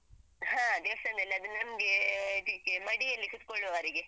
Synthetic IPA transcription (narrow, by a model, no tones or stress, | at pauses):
ɦãd̪eʋsɐnd̪ɐlːiɐd̪unːɐmɡet̪ikːemɐɽiɐlːikut̪koɭuʋaɾiɡe